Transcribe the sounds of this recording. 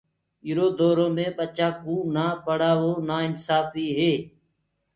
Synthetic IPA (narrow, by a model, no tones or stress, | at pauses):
ɪːɾoːd̪oːɾõːmẽːɓət͡ʃaːkũːnaːpəɽaːʋoːnaːɪnsaːfiːɦeː